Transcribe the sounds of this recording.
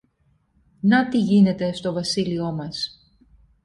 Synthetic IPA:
nɐt̪iʝine̞t̪e̞st̪o̞vɐsilio̞mɐs

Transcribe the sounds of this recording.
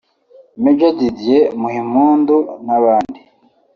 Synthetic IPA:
med͡ʒadidjemuhimuːndunaβaːndi

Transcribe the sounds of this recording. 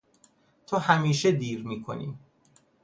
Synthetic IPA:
t̪ʰɒːhæmiːʃed̪iːɾmiːkʰo̰nḭː

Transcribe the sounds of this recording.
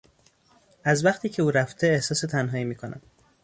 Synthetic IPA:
ʔæzvæχt̪ʰiːcʰe̞uːɾæft̪ʰe̞ːhsɒːse̞t̪ʰænɦɒːiːmiːkʰo̞næ̰m

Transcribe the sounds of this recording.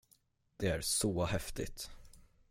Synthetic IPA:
d̪̥ɛæɾsɔhɛft̪ɪ̰t̪

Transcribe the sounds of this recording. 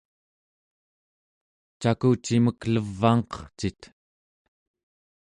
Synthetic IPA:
t͡ʃakut͡ʃiməkləvːɑŋqʌ̥χt͡ʃit̪

